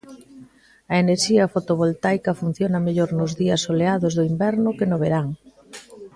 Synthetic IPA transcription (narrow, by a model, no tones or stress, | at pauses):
ɐeneɾʃiɐfot̪oβ̞olt̪ajkɐfun̟θjonɐmeʎoɾnʊzðiɐsoleaðozðoimbɛɾnʊkenoβeɾaŋ